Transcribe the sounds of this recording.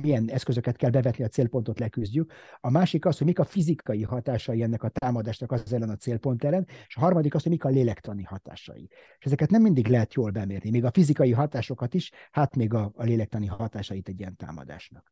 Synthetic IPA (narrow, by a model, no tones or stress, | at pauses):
mijɛnɛskø̞zø̞kɛt̪kɛlbɛvɛt̪niɒt̪seːlpont̪o̞t̪lɛkyzɟykɒmaːʃikɒshoɟmikɒfizikɒjiɦɒt̪aːʃɒjiɛnːɛkɒt̪aːmɒd̪aːʃnɒkɒzɛlːɛnɒt̪seːlpo̞nt̪ɛlːɛneʃɒɦɒrmɒd̪ikɒshoɟmikɒleːlɛkt̪ɒnihɒt̪a̰ːʃɒ̰jḭeʃɛzɛkɛt̪nɛmːind̪iɡlɛɦɛt̪joːlbɛmeːrnimeːɡɒfizikɒjiɦɒt̪aːʃo̞kɒt̪iʃhat̪meːɡɒːleːlɛk̚t̪ɒniɦɒt̪aːʃɒjit̪ɛɟːijɛnt̪a̰ːmɒ̰d̪a̰ːʃnɒk